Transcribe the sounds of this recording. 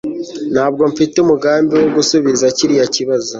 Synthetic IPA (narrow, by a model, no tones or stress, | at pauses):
n̥haːb̚ɡo̞ɱfiteumuɡaːmbiwoɡusuβizaciɾijaciβazo